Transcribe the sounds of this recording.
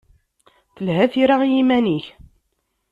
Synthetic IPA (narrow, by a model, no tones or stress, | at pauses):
θəlhæθiɾajimæniç